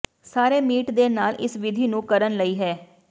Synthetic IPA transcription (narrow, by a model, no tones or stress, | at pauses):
saːɾeːmiːʈd̪eːnaːlʔɪ̰sʋɪd̪ʱiːnũːkəɾənləiːɦɛː